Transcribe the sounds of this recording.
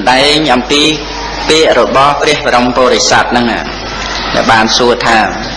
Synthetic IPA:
ɗaɛɲʔɑmpiː | piəʔrɔɓɑhpriəhɓaɾompoːɾesat̪̚nɨŋʔa̰ː | ɗaɛlɓaːnsuət̪ʰaː

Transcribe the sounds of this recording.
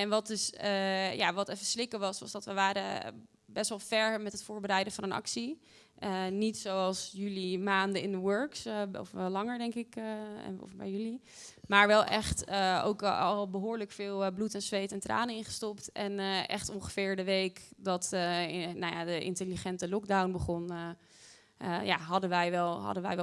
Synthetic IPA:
ɛnʋɑt̚dɵsja̰ʋɑtɛfəslɪkəʋɑsʋɑsdɑtʋəʋaːɾə | bɛstʋɑlˠfɛɹmɛtɦətfʊːɹbəɾɛjdəvɑnənɑ̰ksi | ənitsowɑlˠsjylimaːndəɪndəwøɹksɔflɑŋəɹdɛŋkɪk | fbɛ̰jəli | maːɹʋɛlˠʔɛχtəo̰wkɑlˠbəɦʊːɹləkfɪːlˠblutɛnsʋejtɛntra̰ːnəɪnχə̥stɔptɛnəʔɛ̰χtɔŋχə̥fɪːɹdəʋejkdɑt | nawja̰dəʔɪ̰ntəliχɛntəlɔɡ̚dawnbəχɔn | ja̰ɦɑdənʋɛjʋɛlˠɦɑ̰dəʋɛ̰j

